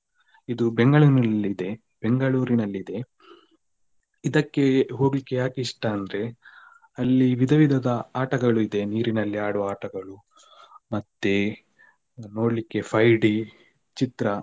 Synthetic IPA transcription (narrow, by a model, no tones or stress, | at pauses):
id̪ubeŋɡɐɭuːɾnɐlːid̪e̞ | b̥eŋɡɐɭuːɾinɐlːid̪e̞ | id̪ɐkːe̞ɦo̞ːɡlikːejaːkiʂʈɐːnd̪ɾe̞ | ɐlːiʋid̪ʱɐʋid̪ʱɐd̪ɐaːʈɐɡɐɭuid̪e̞niːɾinɐlːiaːɽuʋɐaːʈɐɡɐɭu | mɐt̪ːe̞ | no̞ːɽlikːe̞pʰɐjɖi | t͡ʃit̪ɾɐ